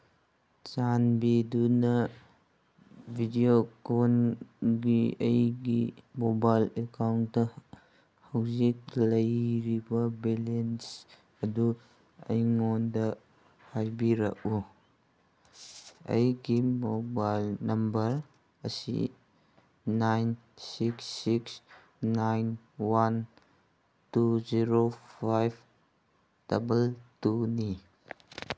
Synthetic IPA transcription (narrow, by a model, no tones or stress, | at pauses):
t͡ʃanbidunɐ | bʱidiokonɡiɐjɡimobajlekawndɐ | hɐwzik̚lɐjɾibɐbelens | ɐdu | ɐ̰jŋondɐ | hajbiɾɐ̰ku | ɐ̰jɡimobajlnɐmbɐɾ | ɐsḭ | najn | siksːiks | najn | wan | tuziɾopʰajb | d̥ɐbɐltuni